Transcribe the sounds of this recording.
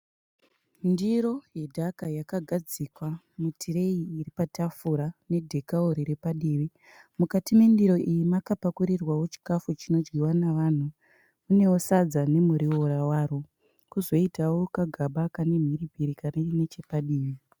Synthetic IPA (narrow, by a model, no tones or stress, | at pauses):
ndiɾo̞je̞dʱakajakaɡʱad͡zikwa | mutʰiɾe̞iːɾipatafuɾane̞dʱe̞kaoɾiɾepaɗiːʋi | mukatimendiɾo̞ʔijimakapakuɾirwawo̞t͡ʃi̥kafut͡ʃino̞d͡ʒwiwanaʋaːn̤u | une̞wosad͡zane̞muɾiwo̞ɾawaːɾo | kuzo̞itawo̞kaɡʱaɓakane̞m̤iɾibʱiɾikanenet͡ʃe̞paɗiːʋi